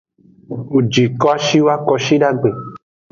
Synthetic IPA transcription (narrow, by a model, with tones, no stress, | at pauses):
u˨d͡ʒi˨kɔ˦a˦ʃi˦wo˦a˦kɔ˦ʃi˦ɖa˦ɡ͡be˨